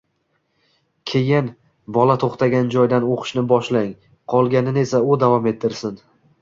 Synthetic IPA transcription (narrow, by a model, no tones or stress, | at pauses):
kʲʰejɪn | bɒlat̪ʰoχt̪ʰaɡʲand͡ʒɒjd̪anoqʰʃnɪbɒʃlaŋ | qʰɒlˠɡʲanɪne̞saʊd̪avɒme̞t̪ʰːɪɾsɪn